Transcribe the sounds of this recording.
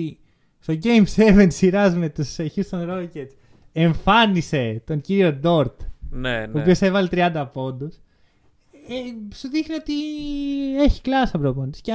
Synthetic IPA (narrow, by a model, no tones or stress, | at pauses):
i | st̪o̞ɟejmse̞vent̪siɾɐzme̞t̪useçist̪o̞nɾo̞ces | eɱfɐnise̞t̪o̞ɲciɾio̞d̪o̞ɾt̪neoːpio̞se̞vɐlet̪ɾiɐnd̪ɐpo̞nd̪os | esuðixnio̞t̪i | e̞çi̥klɐsɐbɾoponisce